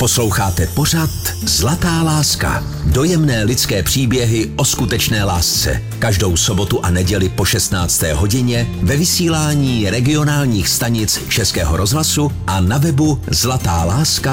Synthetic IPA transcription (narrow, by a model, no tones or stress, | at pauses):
po̞slo̞wxaːt̪ɛpo̞r̝at̪zlat̪aːlaːska̰ | do̞jɛmnɛːlɪt͡skɛːpr̝̥iːbjɛɦɪʔo̞skut̪ɛt͡ʃnɛːlaːst͡sɛ̰ | kaʒdo̞wso̞bo̞t̪uʔanɛɟɛlɪpo̞ʃɛst̪naːt͡st̪ɛ̰ːɦo̞ɟɪɲɛvɛvɪsiːlaːɲiːɾɛɡɪo̞naːlɲiːxst̪aɲɪt͡st͡ʃɛskɛːɦoɾʔo̞zɦlasuʔanavɛbuzlat̪aːlaːska